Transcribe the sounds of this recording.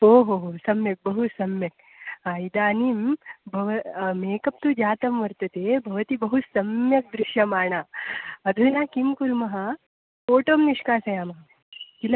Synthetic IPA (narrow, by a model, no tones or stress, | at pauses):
oːɦoːɦosɐmjɐk̚bɐɦusɐmjɐk̚ | aːjid̪aːniːmbʱɐʋɐmeːkɐp̚t̪ud͡ʒaːt̪ɐmʋɐɾt̪ɐt̪eːbʱɐʋɐt̪ibɐɦusɐmjɐk̚d̪ɾɪʃjɐmaːɳaːɐd̪ʱunaːkimkuɾmɐɦɐ̆ | foːʈoːmniʂkaːsɐjaːmɐɦɐ | kilɐ